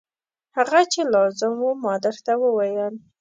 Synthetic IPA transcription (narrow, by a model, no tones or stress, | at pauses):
haɣat͡ʃelɑzɪmwumɑd̪ɪɾt̪awəwajəl